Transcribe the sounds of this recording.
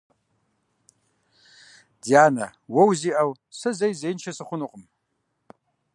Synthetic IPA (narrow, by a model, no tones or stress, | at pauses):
d̥ijanawowziʔaw | sɨzejzejnt͡ʃʰasaχʷʊnuqʼəm